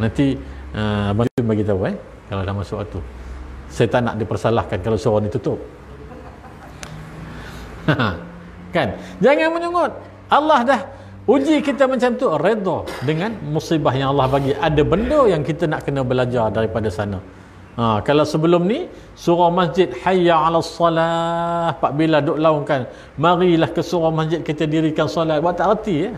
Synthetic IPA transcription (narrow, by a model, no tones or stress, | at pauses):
nãnt̪iəbat̪ubaɡit̪auɛ | kalawdahmasʊkat̪u | sajət̪aʔna̰ʔdipərsalahkankalawsuɾanit̪ut̪ʊp̚ | kand͡ʒaŋanməɲuŋʊt̪̚ | ʔalːɑhdah | ud͡ʒikit̪əməaɲt͡ʃamt̪ured̪ɔdəŋanmusibaɦjaŋalːɑhbaɡiʔadabəndojaŋkit̪anaʔkənəbəlad͡ʒardaɾipadasana̰ | akalawsəbəlʊmni | suɾamasd͡ʒɪt̪̚ħajːaʕalasˤːɑlahpaʔbiladʊʔlaʊŋkan | maɾilahkəsuɾahmasd͡ʒɪt̪̚kit̪ədiɾikansɔlat̪̚bwaʔt̪aʔrət̪ijə